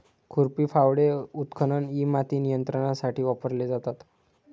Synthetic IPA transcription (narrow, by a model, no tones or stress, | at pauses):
kʰuɾpiːfawɽeut̪kʰəɳəɳimat̪iːnijənt̪ɾəɽ̃asaʈiːʋapəɾled͡zat̪at̪